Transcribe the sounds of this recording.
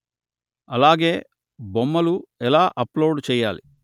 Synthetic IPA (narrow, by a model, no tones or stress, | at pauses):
ɐlaːɡe̞ː | bomːɐluɛlaːʔɐploːɖt͡ʃɛːjːaːlḭ